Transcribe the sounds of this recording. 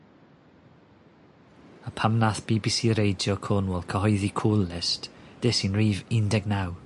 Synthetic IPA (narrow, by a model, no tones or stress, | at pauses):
əpʰamnaθb̥iːbiːsiːɾejdjɔkʰɔnwɛlˠkʰəɦɔjðikʰuːlˠːɪstd̥ɛsinriːvɪndɛɡnaw